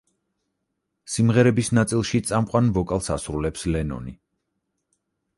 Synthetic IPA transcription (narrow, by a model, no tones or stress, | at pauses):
simʁɛɾɛbisnat̪sʼilˠʃit̪sʼamqʼwanvɔkʼalˠsasɾulɛpslɛnɔ̰ni